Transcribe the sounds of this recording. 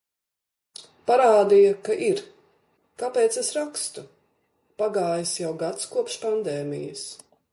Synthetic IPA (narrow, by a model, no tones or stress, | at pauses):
paɾaːd̪ijɐkaʔiɾ | kapeːt̪sesɾakst̪u | paɡaːjəsjawɡat̪skuɔpʃpand̪ɛːmḭjɐ̰s